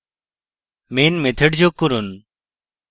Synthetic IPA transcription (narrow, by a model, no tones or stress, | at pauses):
meːnmẽːt̪ʰeɖd͡ʑoːkʊɾʊn